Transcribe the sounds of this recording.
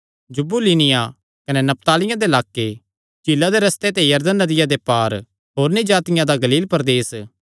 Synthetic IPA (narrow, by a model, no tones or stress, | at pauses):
d͡ʒʊbuliːnɪja | kɐnenɐp̚t̪aːlɪjãd̪elaːkːe | t͡ʃilːad̪eɾɐst̪et̪ejɐɾd̪ənːɐd̪ɪjad̪epaːɾ | ɦoːɾnɪd͡ʒaːt̪ɪjãd̪aɡɐliːlpɐɾd̪eːs